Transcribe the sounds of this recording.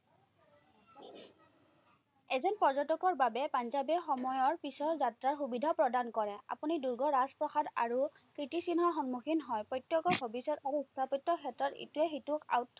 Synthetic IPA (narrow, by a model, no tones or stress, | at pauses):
ɛzɔnpɔɹzɔtɔkɔɹbabɛpanzabɛxɔmɔjɔɹpisɔɹzatɹaɹxubidʱapɹɔdankɔɹɛa̰puniduɹɡɔɹaspɹɔxada̰ɹu | kɹitisinɦɔxɔnmuxʰinɦɔjpɔjtːjɔkɔbʱɔbisɔtaɹuistʰapɔtːɔkʰɛtɹɔtḭtuɛxituka̰wt